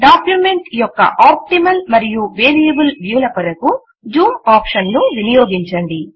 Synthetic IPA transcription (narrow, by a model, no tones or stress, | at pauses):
ɖaːkjume̞ɳʈijɔkːɐ̰ʔaːp̚ʈimɐlmɐɾijuʋeːɾijɐbulʋjuːlɐpɐɾɐku | d͡ʒuːmaːpʂɐnnuʋinijoːɡiɲt͡ʃɐɳɖi